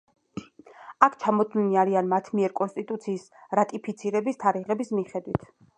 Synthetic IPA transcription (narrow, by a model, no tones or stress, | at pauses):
akʰt͡ʃʰamɔd̪liniaɾianmat̪ʰmiɛɾkʼɔnst̪ʼit̪ʼut̪sʰiːsɾat̪ʼipʰit̪sʰiɾɛbist̪ʰaɾiʁɛbismiχɛd̪wit̪ʰ